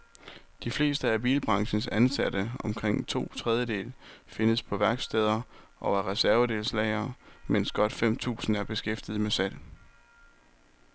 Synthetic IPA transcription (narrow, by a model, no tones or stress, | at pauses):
d̥ifle̝̰ːsd̥əæb̥iːlb̥ʁɑ̈ŋɕn̩sænsæd̥əɒ̽mkʰʁeŋ̰t͡sʰo̝̰ːt͡sʰʁɛð̞ˠjəde̝̰ːlfe̝nəspʰɒ̽ʋæɐɡ̥sd̥eːð̞ˠɐ | ʔɒæɐʁɛsæɐʋəd̥e̝ːlslɛɪɐːmen̰sɡ̥ɒ̽d̥fem̰t͡sʰṵːsn̩æɐb̥e̝sɡ̥efd̥ið̞̩ˠmesæl̰